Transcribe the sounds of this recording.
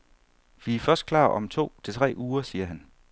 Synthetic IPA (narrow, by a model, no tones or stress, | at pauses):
ʋifɶsd̥̚kʰlɑ̰̈ːʔɒ̽mt͡sʰo̝̰ːt͡sʰe̝t͡sʰʁɛ̰ːʔuːɐsiːɐɦæn